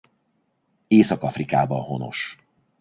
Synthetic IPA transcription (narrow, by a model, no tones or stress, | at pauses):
eːsɒkɒfrikaːbɒɦono̞̰ʃ